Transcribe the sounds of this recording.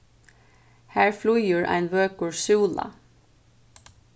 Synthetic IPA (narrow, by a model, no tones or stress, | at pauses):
hæːɹflujʏɹʔa̰ɪnʋøːkʊɹsʉːla̰